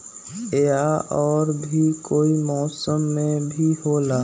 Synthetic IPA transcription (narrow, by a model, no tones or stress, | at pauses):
eaʔɔːɾbʱikoːimɔːsəmːẽbʱiɦoːlaː